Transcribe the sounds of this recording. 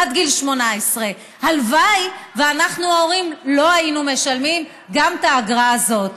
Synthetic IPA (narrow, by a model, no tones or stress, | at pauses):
ad̪ɡilʃmo̞naesʁe̞ | halvajveanaχnuao̞ʁimlo̞ajinume̞ʃalmim | ɡamtaːɡʁaːzo̞t